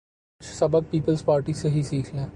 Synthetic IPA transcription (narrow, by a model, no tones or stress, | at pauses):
t͡ʃʰsɐbək̚piːpəlzpaːɾʈiseɦisiːkʰlẽː